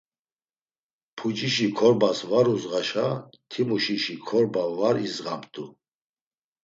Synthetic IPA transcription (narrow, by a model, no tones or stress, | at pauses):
pʰud͡ʒiʃikʰɔɾbasvaɾuzʁaʃat̪ʰimuʃiʃikʰɔɾbavaɾizʁamt̪ʰʼu